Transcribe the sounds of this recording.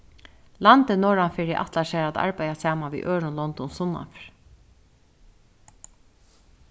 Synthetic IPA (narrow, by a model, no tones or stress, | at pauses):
lant̪ɪnɔːɹanfɪɾɪʔa̰t̪laʃɛːɾat̪a̰ɹpajasaːmanʋḭːʔøːɹʊnlɔnd̪ɔnsʊnːa̰fɹ